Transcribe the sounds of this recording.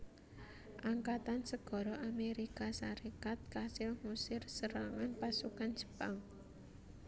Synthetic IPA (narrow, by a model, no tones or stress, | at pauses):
ʔaŋkat̪ansəɡ̥ɔ̤ɾɔʔameɾikasaɾekat̪̚kasɪlmusɪrsəɾaŋanpasukand͡ʒ̥ə̤̥baŋ